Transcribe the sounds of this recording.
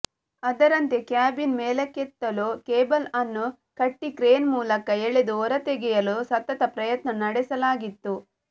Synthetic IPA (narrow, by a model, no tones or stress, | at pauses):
ɐd̪ɐɾɐnt̪ekjaːbinmeːlɐkːet̪ːɐloːkeːbɐlɐnːu | kɐʈːikɾeːnmuːlɐkɐeɭed̪uɔɾɐt̪eɡɛjɐlosɐt̪ːɐt̪ɐpɾɐjɐt̪nɐnɐɽɛsɐlaːɡit̪ːu